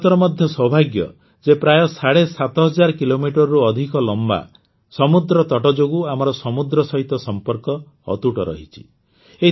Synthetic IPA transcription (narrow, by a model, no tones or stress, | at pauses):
t̪ɔɾɔmɔd̪ʱjɔsɔbʱaɡjɔ̰ | d͡ʒepɾajɔsaɽesat̪ɔɦɔd͡ʒaɾɔkilomiʈɔɾɔɾuɔd̪ʱikɔlɔmba̰ | sɔmud̪ɾɔt̪ɔʈɔd͡ʒoɡuamɔɾɔsɔmud̪ɾɔsɔɦit̪ɔsɔmpɔɾkɔ̰ː | t̪uʈɔɾɔ̰ɦit͡ʃʰi̥ | e